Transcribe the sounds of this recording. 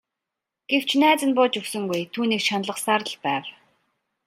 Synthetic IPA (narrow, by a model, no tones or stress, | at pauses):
ɡ̥ew̥t͡ɕʰnæːt͡sə̆npʊːt͡ɕɵwsɵ̆ŋɡujt̪ʰuːniːkʃanɮə̆χsaɾə̆ɮpæːw